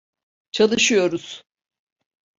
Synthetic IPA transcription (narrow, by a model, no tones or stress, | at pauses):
t͡ʃʰalˠɯʃɯjo̞ɾuz̥